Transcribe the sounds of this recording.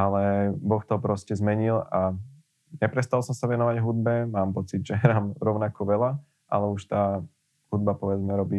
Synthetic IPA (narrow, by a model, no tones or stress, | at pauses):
alɛbɔxt̪ɔpɾɔscɛzmɛɲila | ɲɛpɾɛst̪alˠsɔmsaʋɛnɔʋaɟɦud̪̚bɛmaːmpɔt͡sid̪ʒɛɦɾaːmɾɔʊnakɔʋɛla | ʔa̰lɛuʃt̪aː | hud̪̚bapɔʋɛd͡zmɛɾɔbiː